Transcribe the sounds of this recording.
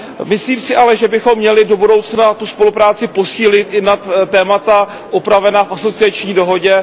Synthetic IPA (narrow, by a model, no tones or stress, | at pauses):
mɪsliːmsɪʔalɛʒɛbɪxo̞mːɲɛlɪdo̞budo̞wt͡snat̪uspo̞lupɾaːt͡sɪpo̞siːlɪt̪ʔɪnat̪t̪ːɛːmat̪a | ʔupɾavɛnaːfʔaso̞t͡sɪat͡ʃɲiːdo̞ɦo̞ɟɛ